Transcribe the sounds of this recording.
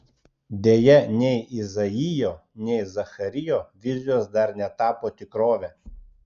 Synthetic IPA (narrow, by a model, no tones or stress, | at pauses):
d̪ʲeːjɛnʲɛɪɪzɐɪjoːnʲɛɪzɐxɐɾʲɪjoːʋʲɪzʲɪjoːsd̪ɐɾnʲɛt̪ɑːpoːt̪ʲɪkɾoːʋʲɛː